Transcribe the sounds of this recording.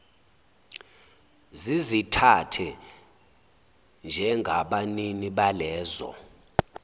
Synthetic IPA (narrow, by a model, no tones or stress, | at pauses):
zizitʰatʰɛ | nd͡ʒʱɛŋɡʱaɓaniniɓalɛːzɔ̰